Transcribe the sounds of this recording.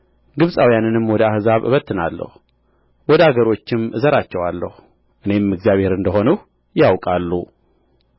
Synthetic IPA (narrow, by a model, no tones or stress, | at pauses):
ɡɨβsʼawjanɨnɨmwɔd̪əahzaβɨ̰βət̪ʰːɨna̰lːə̰hu | wɔd̪əaɡəɾo̞t͡ʃːɪmɨzəɾat͡ʃːɛwalːə̰hu | ʔɨne̞mɨɡzijaβhe̞ɾɨnd̪əɦo̞nəh | jawkʼalːu